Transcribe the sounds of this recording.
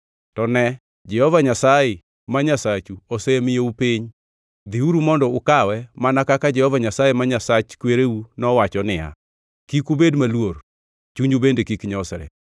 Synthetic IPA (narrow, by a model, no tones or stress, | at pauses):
tɔnɛ | d͡ʒɛhɔvaɲasajɪ | maɲasat͡ʃuosemɪjoupiɲ | d̪iuɾumɔndɔʊkawɛmanakakad͡ʒɛhɔvaɲasajemaɲasat͡ʃkweɾeunɔwat͡ʃɔnɪja̰ | kikubedmalwor | t͡ʃuɲd͡ʒubendekikɲɔsɾɛ̰